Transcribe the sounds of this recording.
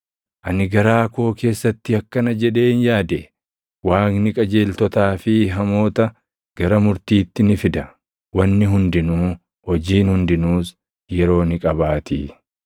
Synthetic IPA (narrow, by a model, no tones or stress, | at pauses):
ʔɐnɪɡɐɾaːko̞ːke̞ːsːɐt̪ːɪɐkːɐnɐd͡ʒɛᶑe̞ːnjaːd̪ɛ | waːknɪkʼɐd͡ʒe̞ːlt̪ɔt̪aːfɪɦɐmo̞ːt̪ɐ | ɡ̥ɐɾɐmʊɾt̪iːt̪ːɪnɪfɪd̪ɐ | wɐnːɪɦʊnd̪ɪnuː | hɔd͡ʒiːnhʊnd̪ɪnuːs | jɛɾo̞ːnɪkʼɐbaːt̪ḭː